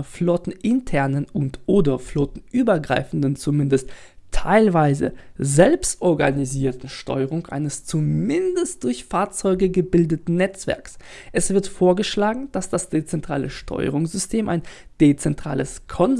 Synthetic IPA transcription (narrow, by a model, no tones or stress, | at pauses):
ɐflɔtn̩ʔɪntʰɛɐnənʊntʔoːdɐflɔtn̩ʔyːbɐɡʁa̰ɪfn̩dn̩t͡sumɪndəst | tʰːaɪlvaɪzə̰zɛlpstʔɔɐɡa̰niziːɐtn̩ʃtʰɔ̰ʏəʁ̞ʊŋʔa̰ɪnəst͡sumɪndəst̚d̥ʊɐçfaːɐt͡sɔʏɡəɡəbɪldətn̩nːɛt͡sv̥ɛ̰ɐks | ʔɛsv̥ɪɐtfoːɐɡəʃlaːɡŋ̩d̥asd̥asd̥et͡sɛntʁ̥aːləʃtʰɔ̰ʏə̰ʁʊŋz̥ʏstʰeːmʔa̰ɪnd̥et͡sɛntʁ̥a̰ːləskʰɔn